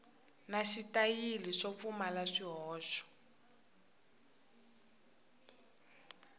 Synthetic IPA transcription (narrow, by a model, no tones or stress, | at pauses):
naʃitajiliʂɔp̪fumalaʂiɦɔːʃɔ̥